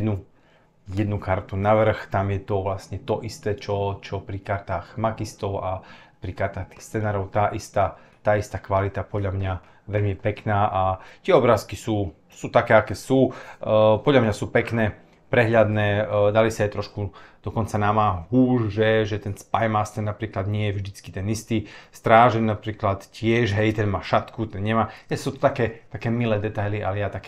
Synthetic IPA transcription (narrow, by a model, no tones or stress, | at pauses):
jɛd̪nu | jɛd̪nukaɾt̪unaʋr̩xt̪amjɛt̪ɔʋlasɲɛt̪ɔʔist̪ɛːt͡ʃɔt͡ʃɔpɾikaɾt̪aːɣmakist̪ɔʊa | pɾikaɾt̪aːxt̪i̥ːxst͡sɛnaːɾɔʊt̪aːʔist̪a | t̪aːist̪aːkʋalit̪apɔd̪lʎamɲa | ʋɛʎmijɛpɛknaːʔat̪ɪɛɔbɾaːskisuː | suːt̪akɛːakɛːsuː | pɔd̪ʎamɲasuːpɛknɛː | pɾɛɦʎad̪nɛːd̪alisaɛt̪ɾɔʃkud̪̥ɔkɔnt͡sanamaːɦuːʒʒɛʒɛt̪ɛnspajmast̪ɛnapɾiːklad̪ɲɪɛjɛvʒd̪it͡ski̥t̪ɛnist̪iːst̪ɾaːʒɛnnapɾiːklat̪cɪɛʒɦɛjt̪ɛnmaːʃat̪kut̪ɛnɲɛmaːt̪ɛsuːt̪ɔ̥t̪akɛːt̪akɛːmilɛːd̪ɛt̪ajliʔalɛjat̪akɛ